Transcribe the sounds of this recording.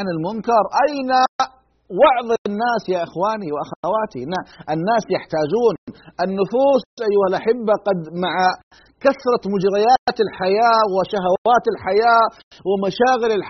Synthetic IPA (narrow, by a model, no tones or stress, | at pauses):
nɪlmʊnkɑɾˤʔajna | wɑʕðˤinːaːsjaʔɪxwaːniwɪʔaxawaːt̪inaʔɪnːaːsjaħt̪aːd͡ʒuːnʔɪnːʊfuːsʔajːʊhalʔaħɪbːaqɑd̪maʕa | kaθɾˤɑmʊd͡ʒɾˤɑjat̪ɪlħajaːwɪʃaɦawaːt̪ɪlħajaː | wɪmaʃaːɣɪlɪlħ